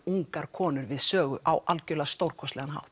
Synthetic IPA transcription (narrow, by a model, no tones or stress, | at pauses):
uŋkaɾ̥kʰɔːnʏɾvɪðsœːɣʏʔa̰wʔalcʏlast̪owɾ̥kʰɔst̪ɛɣanɦa̰wht̪